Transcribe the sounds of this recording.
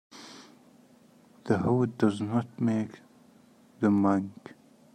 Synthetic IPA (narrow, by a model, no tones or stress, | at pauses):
ð̥əhodʌznɔt̚meːk | ðəmãŋk